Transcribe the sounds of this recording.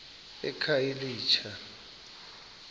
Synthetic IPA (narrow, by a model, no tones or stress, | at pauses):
ɛ̰kʰajiliːt͡ʃʰa